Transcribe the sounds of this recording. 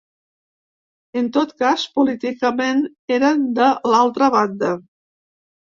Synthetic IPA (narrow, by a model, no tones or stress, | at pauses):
ənt̪ot̪kaspulit̪ikəmen | eɾənd̪əlalˠt̪ɾəβand̪ə